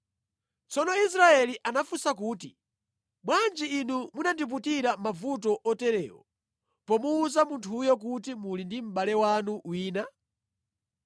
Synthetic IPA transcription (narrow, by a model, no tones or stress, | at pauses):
t͡sɔnɔis̬ɾaɛliʔanafusakuːtḭ | mwand͡ʒiːnumunandip̬utiɾamavut̬ɔʔɔtɛɾɛ̰ːwɔ̰ | pɔmuːzamuntʰujɔkutimulindim̩ɓalɛwanuwiːna